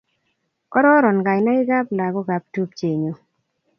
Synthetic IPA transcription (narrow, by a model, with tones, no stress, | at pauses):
kɔ˦ɾɔ˦ɾɔ˨nɡa˨jna˦ɪ˦ɡa˦pla˨ɡɔ˦ɡa˨p̚tu˦p̚t͡ʃe˨ɲo˨